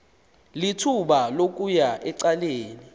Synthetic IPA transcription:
litʰuɓalok̬ʼujaʔɛǀaleːni

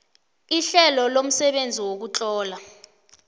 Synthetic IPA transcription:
iɬɛlɔlom̩sɛɓend͡zʱiwok̬ut͡ɬʼɔːla

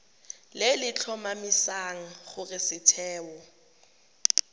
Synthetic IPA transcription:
lɪlɪt͡ɬʰɔmamisaŋ̩χʊrɪsɪtʰɛːwɔ

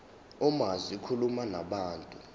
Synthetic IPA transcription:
ɔmazikʰulumanaɓaːntʼu

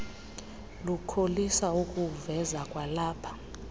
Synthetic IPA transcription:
lukʰolisaukʼuvɛzakʼwalaːpʰḁ

